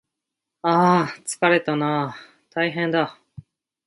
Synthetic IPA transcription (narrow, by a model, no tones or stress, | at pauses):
aːt͡sɨ̥kaɾe̞t̪ana | t̪aiɦẽ̞nd̪a